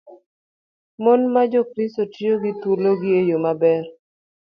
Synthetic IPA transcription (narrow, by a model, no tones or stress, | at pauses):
mɔnmad͡ʒokɾɪstotjoɡɪt̪uloɡɪejomabɛr